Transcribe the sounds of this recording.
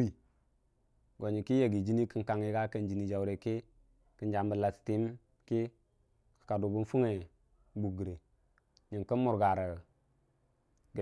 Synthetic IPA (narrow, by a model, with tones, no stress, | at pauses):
i˨ | ɡo˨ɲi˨ki˦je˨ɡi˨d͡ʒi˦ni˦kə˨nka˨ŋi˦ɡa˦kə˨nd͡ʒi˨ni˨d͡ʒa˨wɾe˨ki˦ | kə˨˦nd͡ʒa˨mbə˨la˨sti˨˦m | ki˦ | kka˨du˨bu˦n˦fu˦ŋe˨ | bu˨ɡi˨ɾe˨ | ɲi˨kə˦nmu˨ɾɡa˨ɾə˨ | ɡ